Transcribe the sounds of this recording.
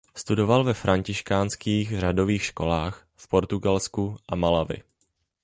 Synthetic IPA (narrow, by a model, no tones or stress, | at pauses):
st̪udo̞valvɛfɾaɲcɪʃkaːnskiːxr̝ado̞viːxʃko̞laːx | fpo̞ɾt̪uɡalskuʔamalavɪ̰